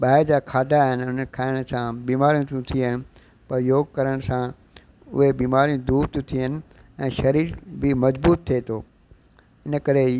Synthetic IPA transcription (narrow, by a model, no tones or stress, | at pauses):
ɓaːɪɾd͡ʑaːkʰaːd̪ʱaɦɪnɪʊn̤ənɪkʰaːɪɽ̃sãbiːmaːɾijũt̪ũt̪ʰiɦɪnɪ̆ | pɐɾjoːɡkɐɾəɽ̃sã | ʊ̰ɦebiːmaːɾijũd̪uːɾt̪ũt̪ʰiɦənɪ̆ | ɛ̃ːʃɐɾiːɾbɪmɐd͡ʑbuːt̪t̪ʰːet̪ʰoː | ɪnəkɐɾe